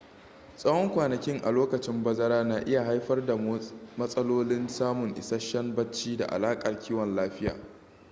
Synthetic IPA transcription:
sʼɐ˦wɔ˦ŋkʷaː˨nɐ˨kʲɪ˦ŋʔa̰˨loː˦kɐ˨t͡ʃɪ˦mbɐ˦zɐ˦ɾaː˦naː˨ʔɪ˦ja˨ɦa˦jɸɐ˦rda˨mɐ˦sʼɐ˦loː˦lɪ˦nsaː˦mʊ˨ŋʔɪ̰˨sɐ˦ʃɐ˦nbɐ˦t͡ʃːiː˦da̰˨ʔa̰˨laː˦kʼɐ˨rkʲʰiː˦wɔ˨nlaː˦ɸɪ˦ja̰ː˨

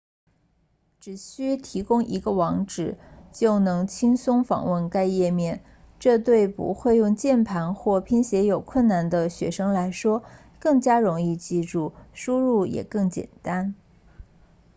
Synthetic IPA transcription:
ʈ͡ʂɻ̩˨˩ɕy˥t̪ʰi˧˥kʊ˥ŋʔi˧˥ɡə˧wɑ˧˥ŋʈ͡ʂɻ̩˨˩˦t͡ɕjo˥˩ʊnɤ˧˥ŋt͡ɕʰi˥ŋsʊ˥ŋfɑ̰˨˩ŋwə˥˩nka˥ɪjɛ˥˧mjɛ˥˩n | ʈ͡ʂɤ˥˧t̪we˥˩ɪpṵ˧˥xwe˥˧ɪjʊ˥˧ŋt͡ɕjɛ˥˩npʰa˧˥nxwɔ˥˩pʰi˥nɕjɛ˧˥jo˨˩ʊkʰwə˥˩nna˥˩nd̪ə˧ɕɥɛ̰˧˥ʂɤ˥ŋla˧˥ɪʂwɔ˥ | kɤ˥˩ŋt͡ɕja˥ɻʊ˧˥ŋi˥˧t͡ɕi˥˧ʈ͡ʂu˥˩ʂu˥ɻu˥˩jɛ̰˨˩kɤ˥˩ŋt͡ɕjɛ̰˨˩nt̪a˥n

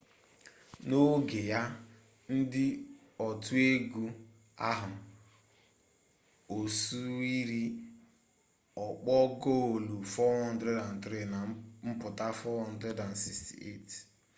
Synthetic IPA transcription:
no˦ɡe˨ja˦ | n̩˦dɪ˦ | ɔ˨tu˦e˦ɡu˦ | a̰˦ɦʊ˨ | o˨su˦i˦ɾi˦ | ɔ˨k͡pɔ˦ɡo˦˨lu˨fɔ˦ɔ˦n̩˦dɾe˦da˨n̩˨tɾe˦˨na˨m̩˦pʊ˨ta˦fɔ˦ɔ˦n̩˦dɾe˦da˨n̩˨si˦kstḭ˨ḛ˦˨t

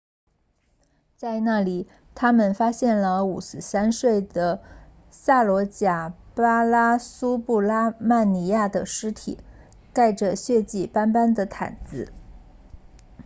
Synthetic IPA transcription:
t͡sa˥˧ɪna˥˩li˨˩ | t̪ʰa˥mə˨nfa˥ɕjɛ˥˩nlə˩u˨˩sɹ̩˥˩sa˥nʂwe˥˩ɪd̪ə˩ | sa˥˩lwɔ˧˥t͡ɕja˨˩pa˥la˥su˥pu˥˩la˥ma˥˩nni˧˥ja˥˩d̪ə˩ʂɻ̩˥t̪ʰḭ˨˩˦ | ka˥˩ɪʈ͡ʂə˩ɕɥɛ˥˧t͡ɕi˥˩pa˥npa˥nd̪ə˨t̪ʰa̰˨˩nt͡sɹ̩˥˩

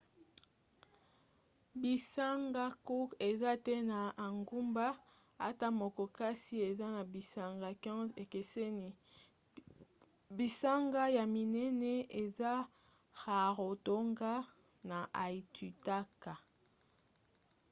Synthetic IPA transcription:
bi˨sa˦ŋɡa˦ku˦ke˨za˦tɛ˦na˨a˨ŋɡu˦mba˦ | a˦ta˦mo˨ko˨ka˦si˦e˨za˦na˨bi˨sa˦ŋɡa˨kɛ̃˦ze˨ke˨se˦ni˨ | bi˨sa˦ŋɡa˦ja˨mi˨nɛ˦nɛ˦e˨za˦ | ha˨ʁo˨to˦ŋɡa˦ | na˨ʔa˨i˨tʰu˨ta˦ka˨

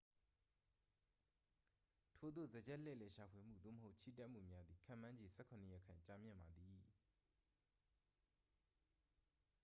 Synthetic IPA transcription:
tʰo˨d̪o̰˦˨zə˨d͡ʑɛ˦ʔlɛ̰˦˨lɛ˨ʃa˨pʰwe˨m̥ṵ˦˨d̪o̰˦˨məɦo˦ʊt͡ɕʰḭ˦˨tɛ˦ʔm̥ṵ˦˨mja˦d̪ði˨kʰã˦˨mã˦ɲd͡ʑe˨sʰɛ˦˨kʰʊ̃˨nə˦˨jɛ˦˨kʰã˨t͡ɕa˦mjɪ̰̃˦˨mba˨d̪i˨

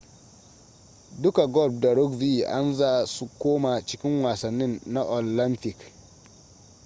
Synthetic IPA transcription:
du˦ka˨ɡɔ˦˨b̚da˨ɾo˦ɡvi˦a̰˦nza˦su˦koː˦ma˨t͡ʃi˨ki˦nwa˨sa˨nːi˦nːa˦ʔo˨lla˦nti˨k

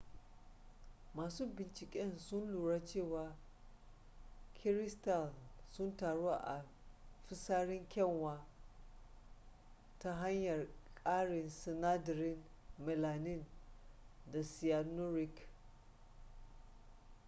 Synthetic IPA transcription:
maː˨suː˦bɪ˨nt͡ʃɪ˨kʲʼɛ˦nsʊ˦nluː˨ɽa˦t͡ʃeː˦˨waː˨ | kʰɪ˦ɾɪ˦sta˨lsʊ˦ntaː˨ɽo˦a˦ʔa̰˨ | ɸɪ˦saː˦ɽɪ˦ŋkʲɛ˦˨ŋwaː˦ | ta˦ɦa˦ɲjɐ˨rkʼaː˦ɽɪ˨nsɪ˨na˦dɾɪ˦n | mɛ˨laː˨nɪ˦˨n | da˨si˨ja˨no˦ɾɪ˦k

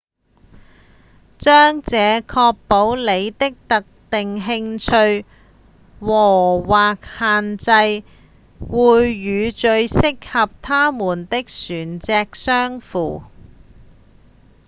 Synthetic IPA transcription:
t͡ʃœː˥ŋt͡sɛː˨˧kʰɔː˧k̚po˨˥wle˨˧jt̪ɪ˥k̚t̪ɐ˨k̚t̪ɪ˨ŋɦɪ˧ŋt͡ʃʰɵ˧ɥ | wɔː˨˩waː˨k̚haː˨nt͡sɐ˧j | wuː˨jːyː˨˧t͡ʃɵ˧ɥsɪ˥k̚hɐ˨p̚t̪ʰaː˥muː˨˩nt̪ɪ˥k̚syː˨˩nt͡sɛː˧k̚sœː˥ŋfuː˨˩

